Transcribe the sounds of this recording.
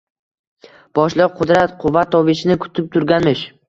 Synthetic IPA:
b̥ɒʃlˠɨq̚qʰʊd̪ɾat̪qʰʊvːat̪ʰːɒvɪʃɪnɪkʰʊ̥t̪ʰɪp̚t̪ʰʊɾɡʲanmɪʃ

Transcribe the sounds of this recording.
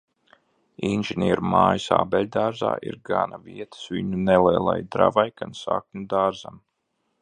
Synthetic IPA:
inʒɛnʲiɛɾumaːjisaːbɛlʲd̪aːɾza̰ːʔḭɾɡanaviɛt̪ə̥sviɲunɛlɛːlˠa̰jd̪ɾavajkansak̚nud̪aːɾzam

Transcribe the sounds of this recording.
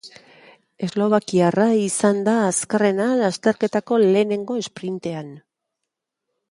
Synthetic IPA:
e̞zlo̞β̞akiaraisand̪aːskare̞nalast̪e̞ɾke̞t̪ako̞le̞ːne̞ŋɡo̞e̞spɾint̪e̞an

